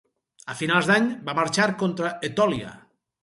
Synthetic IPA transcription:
əfinalˠzd̪aɲbamaɾt͡ʃaɾkont̪ɾaet̪ɔlia̰

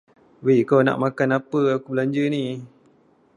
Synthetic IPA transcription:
wekawna̰ʔmakanapəakublaɲd͡ʒəni

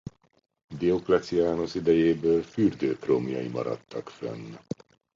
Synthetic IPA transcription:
b̪ioklɛt̪siaːnosid̪ɛjeːbøːlfyrd̪øːproːmjɒimɒ̰ɾɒ̰t̪ːɒkfɛ̰nː

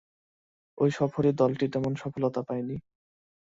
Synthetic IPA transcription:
ojʃɔfoɾid̪ɔlʈit̪ɛmonʃɔfolot̪apajni

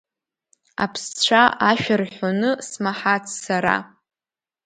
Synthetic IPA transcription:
a̰pʰst͡ɕʷʰaʔaʃᶣarħʷonɨsmaħat͡sʰsaɾa̰

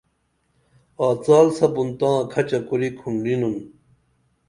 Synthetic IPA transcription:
aːt͡saːlsɐbunt̪ãːkʰɐt͡ɕɐkuɾikʰuɳɖinun

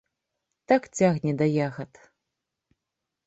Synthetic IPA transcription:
t̪akt͡sʲaɣnʲɛd̪ɐjaɣɐt̪

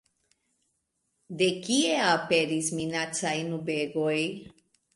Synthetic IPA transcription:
de̞kieape̞ɾisminat͡sajnube̞ɡo̞j

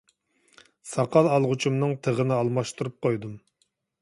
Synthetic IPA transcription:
sɑqʰɑlˠɑlˠʁʊt͡ʃʰumnɨŋt̪ʰəʁənɨɑlˠmɑʃt̪uɾup̚qʰojd̪um

